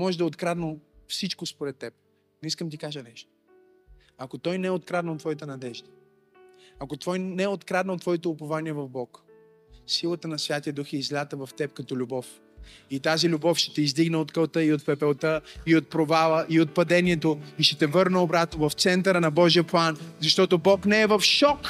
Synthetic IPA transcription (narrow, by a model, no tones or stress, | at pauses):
mɔʒɛd̪ɐot̪kɾad̪nəfsit͡ʃkospoɾɛt̪ːɛp̚ | niskəmt̪ikaʒənɛʃt̪o̥ | akot̪ɔjnɛɛot̪kɾad̪nəot̪ːvɔit̪ənɐd̪ɛʒd̪ə | ɐkot̪vɔjnɛot̪kɾad̪nəot̪ːvɔit̪oʊpɐvaniɛvɐvbɔk | silˠət̪ənɐsvʲjat̪iəd̪uxɛizlʲat̪əvɐft̪ɛp̚kɐt̪ɔlʲubɔf | it̪azilʲubɔfʃɛ̥t̪ɛizd̪iɡnəot̪kəlˠt̪əiot̪pɛpɛlˠt̪əiot̪̚pɾovalˠəʔiot̪̚pɐd̪ɛniɛt̪oiʃɛt̪ɛvɤɾnəobɾat̪novɐft̪sɛnt̪əɾənɐbɔʒiəplˠanzɐʃt̪ɔt̪obɔknɛɛvɐfʃɔk